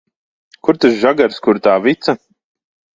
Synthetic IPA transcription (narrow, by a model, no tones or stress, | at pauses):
kuɾt̪asʒaɡaɾskuɾt̪aːvit̪sɐ